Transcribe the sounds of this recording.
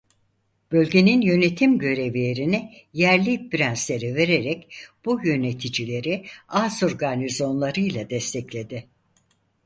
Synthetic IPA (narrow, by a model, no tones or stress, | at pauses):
b̥ø̞lʲɟe̞ninjø̞ne̞t̪ʰimɟø̞ɾe̞vijeɾinijæɾlʲibiɾænslʲe̞ɾive̞ɾeɾɛcb̥ujø̞ne̞t̪ʰid͡ʒilʲe̞ɾiaːso̞ɾɡanizo̞nlˠaɾɯjlˠad̪ɛst̪ʰɛclʲe̞d̪ɪ